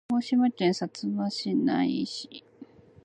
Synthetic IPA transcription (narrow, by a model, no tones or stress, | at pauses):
oɕimakẽɰ̃sat͡sɨmaɕina̰iɕi̥